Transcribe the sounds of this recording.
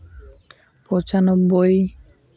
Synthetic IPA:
pɔt͡ɕanɔbːoj

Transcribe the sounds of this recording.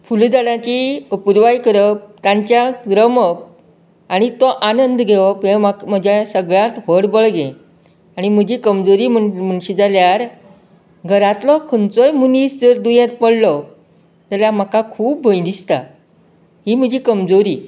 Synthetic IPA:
fuld͡zaɽãt͡ɕiəpuɾʋajkəɾəp̚t̪ãɲt͡ɕjaɡɾəməp̚ | aɽ̃it̪ɔʔanənd̪ɡʱeʋɔpemakm̤əd͡ʑasəɡɭjãt̪ʋəɽbəɭɡẽ | aɽ̃im̤əd͡ʑiːkəmd͡zoɾiːm̤əm̤əɳɕid͡zaljaɾ | ɡʱəɾãt̪lɔkʰənt͡sɔjmunisd͡zəɾd̪ujãt̪pəɽ̤lɔ | t̪əljam̤akakʰuːp̚bʱəjd̪ist̪a̰ | ɦim̤əd͡ʑiːkəmd͡zoɾiː

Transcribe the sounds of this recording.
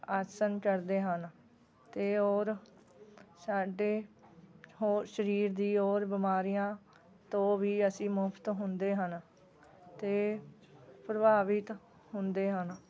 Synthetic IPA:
əɾsənkəɾd̪eːɦən | t̪eːoːɾ | saːɖeː | ɦoːʃəɾiːɾd̪iːoːɾbɪmaːɾijãː | t̪õːʋiːəsĩːmʊpʰt̪ɦʊnd̪eːɦən | t̪eː | pɾəbʱaːʋɪt̪ | hʊnd̪eːɦən

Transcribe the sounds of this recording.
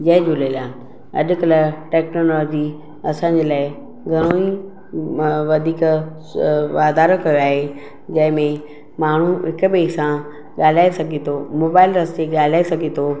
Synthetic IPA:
d͡ʑɐɦɪ̃d͡ʑʊlelaː | ɐ̰ɗ̆kɐləʈɛːknoːlɔːd͡ʑi | ɐsãːɲd͡ʑeːlaːɪ | ɡʱɐɽ̃oːi | ʋɐd̪ʱiːk | ʋaːd̪aːɾəkɐjoaːɦe | d͡ʑɐ̃ɦɪ̃mẽ | maːɳ̤uɦɪkʊɓeːsã | ɠaːl̤aːesɐɡʱet̪ʰoːmoːbaːɪlɾɐst͡ɕeɠaːl̤aːesɐɡʱet̪ʰoː

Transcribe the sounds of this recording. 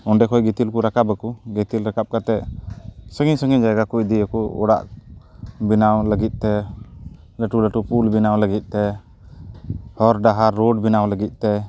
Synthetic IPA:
ɔnɖɛkʰɔjɡɛt̪ilkuɾakabakuɡɛt̪ilɾakap̚kat̪ɛ | səŋɡiɲsəŋɡiɲd͡ʒajɡakuʔ̚d̪ijəkuɔ̰ɽa̰ʔ | binawləɡit̪̚ˀt̪ɛ | ləʈuləʈupulbinawləɡit̪̚ˀt̪ɛ | hɔɾɖaɦaɾːoɖ̚binawləɡit̪̚ˀt̪ɛ

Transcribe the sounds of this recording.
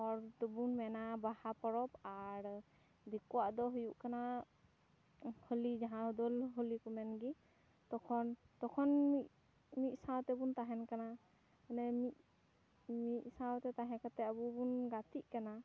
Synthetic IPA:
ɔɾd̪ɔbunmɛnabahapɔɾɔpaɾ | d̪ikɔwaʔd̪ɔɦujuʔkana | holid͡ʒaɦãɦɔd̪ɔlɦɔlikɔmɛnɡi | t̪ɔkʰɔnt̪ɔkʰɔnmi | mit̪̚sãwt̪ɛbunt̪aɦɛnkana | nɛmit̪̚ | mit̚ˀsãwt̪ɛt̪aɦɛ̃kat̪ɛabubunɡat̪iʔkana

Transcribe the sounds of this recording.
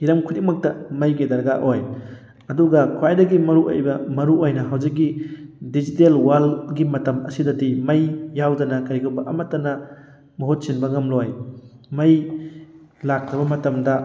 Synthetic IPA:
iɾɐmkʰudiŋ̚mɐk̚tɐmɐjɡedɐɾɡaʔoj | ɐduɡɐkʰwajdɐɡimɐɾuʔo̰jbɐmɐɾuojnɐɦɐwzikːidizitelwalɡimɐtɐmɐ̰sidɐdimɐjːawdɐnɐkajɡɐwbɐʔɐmɐtːɐnɐ | mɐɦot̚sinbɐŋɐmlojmɐj | lakʰɾɐbɐmɐtɐmdɐ

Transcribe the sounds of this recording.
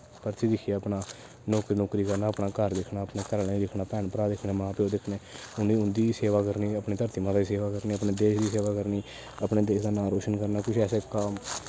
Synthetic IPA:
pəɾt͡ʃiːd̪ɪkʰijeəpnaː | nɔːkɾiːnɔːkɾiːkəɾnaːəpnaːkəɾd̪ɪkʰnaːəpneːkəɾned̪ɪkʰnaːpɛːɳpəɾaːd̪ɪkʰneːmãːpoːd̪ɪkʰneː | ʊniːʊnd̪iːseːʋaːkəɾniːəpɳeːt̪əɾt̪iːmãːd̪aiseːʋaːkəɾniːəpneːd̪eːʃd̪iːseːʋaːkəɾniː | əpneːd̪eːʃd̪aːnaːɾoːʃənkəɾnaːkʊt͡ʃʰɛːsekaːm

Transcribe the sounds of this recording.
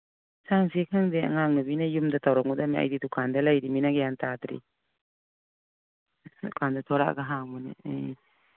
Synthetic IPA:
saŋsikʰaŋdea̰ŋaŋnubinajumdatawɾaŋudamia̰jdidukʰandalajɾiminaɡejantadɾḭ | dukʰandatʰɔɾa̰ʔɡaɦaŋmɔnḛ

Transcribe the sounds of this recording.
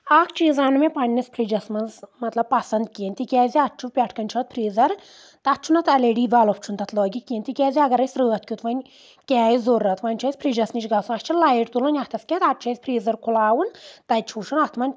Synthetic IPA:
akt͡ʃiːzaːnmepɐɳʲnispʰɾid͡ʒɐsmɐzmɐt̪lɐb̚pɐsɐnd̪̚kiːnʲt̪ikʲɛːjziɐt̚t͡ʃʰupʲaʈʰkɐnʲt͡ʃʰɐːt̪̚pʰɾiːzɐɾ | t̪ɐt̪̚t͡ʃʰunɐt̪ɐleɖiːʋalop̚t͡ʃʰunt̪ɐt̪lɔːɡʲikʲeːnʲt̪ikʲɛːzʲiɐɡɐɾɐsʲɾɨːɐt̪kʲut̪ʋɐnʲ | kʲɛːizurːɐt̪ʋɐnʲt͡ʃʰɐjsʲpʰɾid͡ʒɐsnit͡ʃɡɐsunɐʃt͡ʃʰilajiʈt̪ulɐnʲɐt̪ʰɐskʲɛːt̪ɐt̚t͡ʃʰɐzʲpʰɾiːzɐɾkʰulaːwunt̪ɐt͡ʃʰut͡ʃʰunɐt̪ʰmɐnʲ

